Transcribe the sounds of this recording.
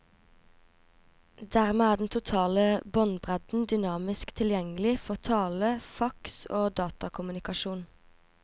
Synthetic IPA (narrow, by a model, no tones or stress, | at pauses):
d̪æːʁmeːæːd̪ɛt̪ʰʊt̪ʰɑːləbɔnbʁɛd̪̥n̩d̪ʏnɑːmɪskt̪ʰɪljɛŋəlɪfɔʁt̪ʰɑːləfɑkso̰ːd̪ɑːt̪ɑkʰʊmʉnɪkɑʃuːn